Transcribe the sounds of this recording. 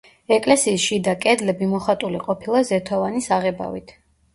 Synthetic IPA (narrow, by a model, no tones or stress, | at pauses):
ɛkʼlɛsiːsʃid̪akʼɛd̪lɛbimɔχat̪ʼuliqʼɔpʰilˠazɛt̪ʰɔvanisaʁɛba̰vḭt̪ʰ